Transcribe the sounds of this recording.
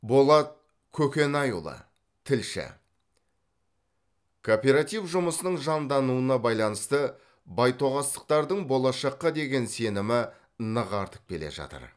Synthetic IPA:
bo̞lˠɑt̪̚ | kʲʰɵkʲe̞nɑjṵlˠɑ̰ | t̪ʰɪlʃɪ̰ | kʰopʲe̞ɾat̪ijvʒʊməsənəɴʒɑnd̪ɑnuənɑbɑjlˠɑnəst̪ə | bɑjt̪ʰo̞ʁɑst̪ə̥q̚t̪ɑɾd̪əɴbo̞lˠɑʃɑqːɑd̪e̞ɡʲe̞nse̞nɪmɪ | nəʁɑɾt̪ə̥q̚kʲe̞le̞̰ʒɑ̰t̪ə̰ɾ

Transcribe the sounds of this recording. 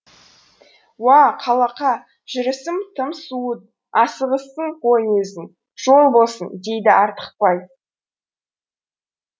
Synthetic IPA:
wɑqʰɑlˠɑqɑ | ʒ̥ɪɾɪsɪmt̪ʰəmsuət̪̚ | ɑsəʁəsəɴqʰojnesɪn | ʒ̥o̞lˠbo̞lˠsənd̪e̞jd̪ɪʔɑɾt̪ə̥q̚pɑj

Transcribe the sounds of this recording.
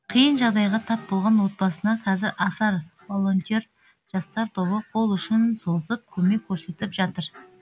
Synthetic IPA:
qʰijənʒɑʁd̪ɑjʁɑt̪ʰɑp̚bo̞lˠʁɑnwo̞t̪̚bɑsənɑqʰɑzɪɾʔɑsɑɾvolˠo̞nt̪ʲeɾ | ʒ̥ɑst̪ɑɾt̪ʰo̞βəqʰo̞lˠʏʃɪnso̞zəp̚kʲʰɵme̞kʲʰːɵɾse̞t̪ɪpʒɑt̪əɾ

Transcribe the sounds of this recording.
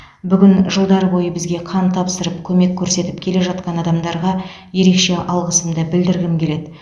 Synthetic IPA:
bʏɡʲɪnʒəlˠd̪ɑɾəbo̞jəbɪzɡʲe̞qʰɑnt̪ʰɑpsəɾəpkʲʰɵme̞kʲʰːɵɾse̞t̪ɪpkʲʰe̞leʒɑt̪̚qɑnɑd̪ɑmd̪ɑɾʁɑ | je̞ɾe̞kʃe̞ʔɑlˠʁəsəmd̪əbɪld̪ɪɾɡʲɪmkʲʰe̞le̞d̪ɪ

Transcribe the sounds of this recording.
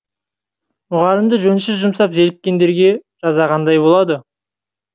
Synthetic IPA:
mʊʁɑɾəmd̪əʒɵnʃɪzʒʊmsɑpze̞lɪk̚ʲːe̞nd̪e̞ɾɡʲe̞ | ʒ̥ɑzɑʁɑnd̪ɑjbo̞lˠɑd̪ə

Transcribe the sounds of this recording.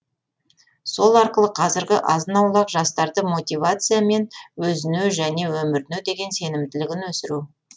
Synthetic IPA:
so̞lˠɑɾqəlˠəqʰɑzɪɾɡʲɪʔɑzənɑwlˠɑqʒɑst̪ɑɾd̪əmo̞t̪ʲivat̪sɨjame̞nwɵzɪnyʒæne̞wɵmɪɾnywd̪e̞ɡʲe̞nse̞nɪmt̪ɪlɪɡʲɪnwɵsɪɾu

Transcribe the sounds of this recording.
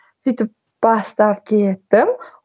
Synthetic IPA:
fit̪ɪp̚ | b̥ast̪ap̚kʲʰet̪ːɪm

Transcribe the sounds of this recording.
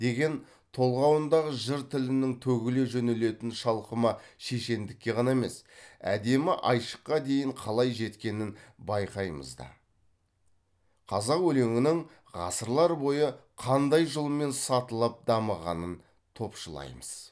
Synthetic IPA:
d̪̥e̞ɡʲe̞n | t̪ʰo̞lˠʁɑwənd̪ɑʁəʒɪɾt̪ʰɪlɪnɪŋt̪ʰɵɡʲɪleʒɵnele̞t̪ɪnʃɑlˠqəmɑʃeʃe̞nd̪ɪkʲːe̞ʁɑnɑeme̞sæ̰d̪e̞mɪʔɑjʃə̥qːɑd̪e̞jɪɴqʰɑlˠɑjʒe̞t̪kʲe̞nɪnbɑjqɑjmə̰zd̪ɑ̰ | qʰɑzɑqwɵle̞ŋɪnɪŋ | ʁɑ̰səɾlˠɑɾbo̞jəqʰɑnd̪ɑjʒəlˠme̞nsɑt̪əlˠɑp̚d̪ɑməʁɑ̰nən | t̪ʰo̞pʃəlˠɑ̰jməz̥

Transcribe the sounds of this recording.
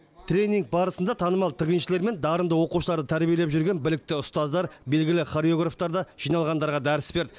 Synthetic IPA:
t̪ʰɾʲe̞jniŋɡ̚bɑɾəsənd̪ɑt̪ʰɑnəmɑlˠt̪ʰɪʁʲənʃɪleɾme̞nd̪ɑɾənd̪əwo̞quʃəlˠɑɾd̪ət̪ʰæɾbije̞lepʒʏɾɡʲe̞nbɪlɪk̚t̪ɪʊst̪ɑzd̪ɑɾbe̞lɡʲɪlɪχoɾjo̞ɡraft̪ɑɾd̪ɑʒ̥ijnɑlˠʁɑnd̪ɑɾʁɑd̪æɾɪsbe̞ɾd̪ɪ

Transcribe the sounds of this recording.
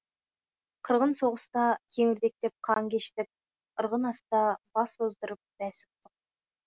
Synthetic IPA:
qʰəɾʁənso̞ʁəst̪ɑkʲʰeŋɪɾd̪e̞k̚t̪e̞p̚qʰɑŋkʲʰeʃt̪ɪk̚ | əɾʁənɑst̪ɑbɑsozd̪əɾəp̚b̥æsʊ̥t̪t̪ːəq̚

